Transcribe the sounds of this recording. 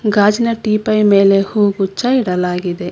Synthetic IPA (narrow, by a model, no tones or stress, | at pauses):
ɡaːd͡ʒinɐʈiːpɐjmeːle̞huːɡut͡ʃːɐiɽɐlaːɡid̪e